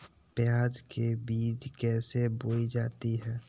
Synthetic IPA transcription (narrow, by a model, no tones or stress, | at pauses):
pjaːd͡ʒkebiːd͡ʒkɛːseboːid͡ʒaːt̪iɦɛː